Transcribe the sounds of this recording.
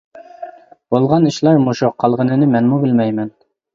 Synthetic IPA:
bolˠʁɑnɘ̆ɕlæɾmuʃoqʰːɑlˠʁɤ̆nɘ̆nɘmænmubɘlmæjmɘn

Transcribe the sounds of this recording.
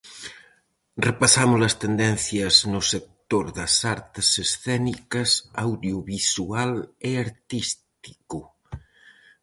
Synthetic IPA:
repɐsamʊzlɐst̪end̪ɛnθjɐznʊsek̚t̪oɾðɐsaɾt̪ɪsesθɛnikɐsawðjuβisualeaɾt̪ist̪i̥kʊ

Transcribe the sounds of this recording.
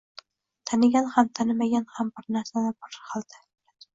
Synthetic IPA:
t̪ʰanɪɡʲanhamt̪ʰanɪmaɡʲanhambɪɾnaɾsanabɒɾqʰɑlˠd̪ɪ̥

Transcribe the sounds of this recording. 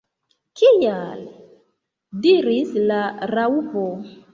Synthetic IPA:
kial | diɾislaɾaupo

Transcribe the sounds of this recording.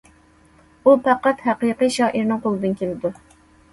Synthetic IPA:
upæqɑt̪hæqiqɨʃɑːʔiɾnɪŋqʰolˠɨd̪ɨnkʲelɪd̪u

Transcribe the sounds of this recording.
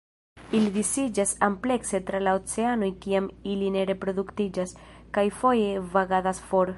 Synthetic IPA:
ilid̪isid͡ʒasample̞kse̞tɾalaot͡se̞ano̞jkiamiline̞ɾe̞pɾo̞d̪uktid͡ʒaskajfo̞je̞vaɡadasfo̞ɾ

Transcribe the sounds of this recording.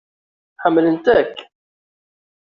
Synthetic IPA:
ħəmːlənt̪ækː

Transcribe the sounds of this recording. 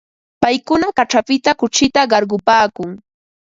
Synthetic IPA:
pajkʊnakaʈ͡ʂapɪt̪akʊt͡ʃɪt̪aɢɑɾɢʊpaːkʊŋ

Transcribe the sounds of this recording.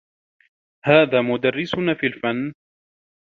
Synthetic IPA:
haːðaːmʊd̪arːɪsʊnafiːlfanː

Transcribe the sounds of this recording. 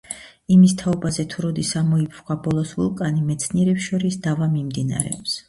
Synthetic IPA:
imist̪ʰaɔbazɛt̪ʰuɾɔd̪isamɔipʰχwabɔlˠɔsṵlˠkʼanimɛt̪sʰniɛɾɛpʃɔɾisd̪̥avamimd̪ina̰ɾɛ̰ɔps

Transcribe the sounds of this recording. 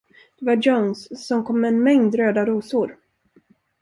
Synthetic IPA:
d̪̥ɛvad͡ʒɔwnsːɔmkʰɔmːɛːnmɛŋd̪ɾøːd̪aɾuːsʊɾ

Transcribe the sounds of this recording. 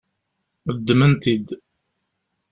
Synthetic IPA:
əd̪ːmənt̪id̪

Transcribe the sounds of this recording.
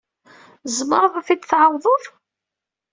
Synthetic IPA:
zəməɾˤðˤfid̪θʕawðˤʊð

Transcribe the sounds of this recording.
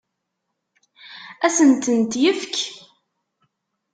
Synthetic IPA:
æsənt̪ənt̪jəfk

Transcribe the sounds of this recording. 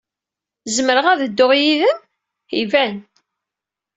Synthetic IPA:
zəməɾəʁæðəd̪ːoʁjiðəm | hivæn

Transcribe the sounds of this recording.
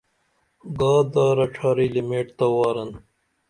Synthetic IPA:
ɡaːd̪aːɾɐʈ͡ʂʰaːɾiːlimeːʈt̪ɐwaːɾɐn

